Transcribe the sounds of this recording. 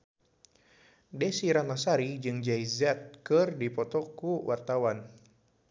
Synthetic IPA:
dɛsiɾanasaɾid͡ʒɨŋd͡ʒajzat̪̚kɨrdipɔt̪ɔkuwʔart̪awan

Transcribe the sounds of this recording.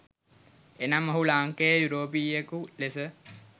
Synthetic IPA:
enamɐɦulaːŋkejəjuɾoːpiːekulesə

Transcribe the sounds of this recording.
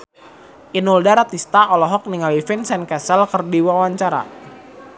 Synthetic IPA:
ʔinuldaɾat̪ist̪aʔɔlɔɦɔk̚niŋalifinsɛnkɛsəlkərdiwawaɲt͡ʃaɾa̰

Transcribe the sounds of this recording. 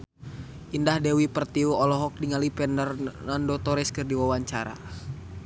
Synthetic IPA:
ʔindahdɛwipərt̪iuɔlɔɦɔk̚diŋalipɛnərnandɔt̪ɔɾɛskɨrdiwawaɲt͡ʃaɾa̰

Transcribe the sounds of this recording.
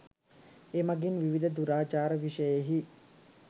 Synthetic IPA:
emɐɡinʋiʋid̪əd̪uɾaːt͡ʃaːɾəʋiʃəjeɦi

